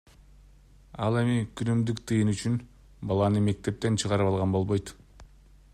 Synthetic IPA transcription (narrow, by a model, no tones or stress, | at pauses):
ɑlˠe̞mikʰynymd̪ykt̪ʰɯjɯnyt͡ʃyn | bɑlˠɑnɯme̞k̚t̪e̞p̚t̪e̞nt͡ʃʰɯʁɑɾɯpɑlˠʁɑnbo̞lˠβo̞jt̪